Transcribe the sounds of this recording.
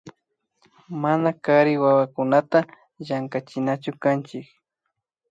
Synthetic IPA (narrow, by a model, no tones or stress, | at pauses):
manakaɾɪwawakʊnat̪a | jaŋkat͡ʃɪnat͡ʃʊkant͡ʃɪk